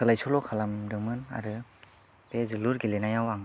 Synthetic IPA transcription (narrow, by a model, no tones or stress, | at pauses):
ɯlajsulɔkʰalamdɯmɯna̰ɾɯ | bezɯluɾɡilenajawaŋ